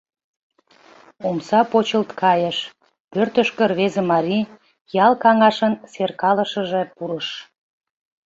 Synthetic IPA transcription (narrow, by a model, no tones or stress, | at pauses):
umsɑpot͡ɕəlt̪kʰɑjəʃ | pørt̪əʃkə̆rβezemɑɾʲi | jɑlkɑŋɑʃənserkɑləʃəʒĕpuɾəʃ